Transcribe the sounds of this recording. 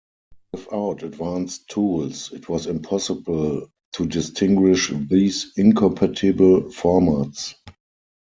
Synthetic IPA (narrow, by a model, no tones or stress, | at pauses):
wɪθaʊtədvãnstʰːuːlsɪtʰwɔsɪ̃mpʰɔsɪbəl | tʰudɪstʰɪ̃ŋɡwɪʃðiːsɪ̃nkʰɔ̃mpʰatʰɪbəlfɔmats